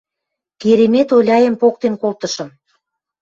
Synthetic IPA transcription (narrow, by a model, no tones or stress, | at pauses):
keɾemet̪olʲɑjə̆mpok̚t̪enkolt̪ə̆ʃə̆m